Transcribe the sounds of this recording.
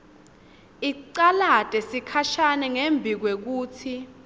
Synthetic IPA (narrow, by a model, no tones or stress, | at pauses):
iǀalad̥ʱʼɛsikʰaʃanɛŋembʱik̬wek̬uːtʰi